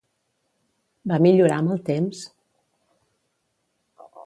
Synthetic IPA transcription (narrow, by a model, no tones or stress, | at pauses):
bamiʎuɾa̰məlˠt̪ems